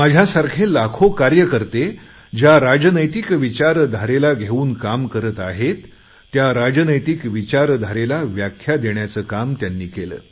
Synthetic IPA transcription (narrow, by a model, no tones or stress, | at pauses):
mad͡ʑʱjasaɾkʰelakʰokaɾjəkəɾt̪e | d͡ʑjaɾad͡ʑənəjt̪ikʋit͡ɕaɾd̪ʱaɾelaɡʱeuːnkamkəɾət̪aɦet̪ː | jaɾad͡ʑənəjt̪ikʋit͡ɕaɾd̪ʱaɾelaʋjakʰːjad̪eɳjat͡səːkamt̪janːiːkelə̰ː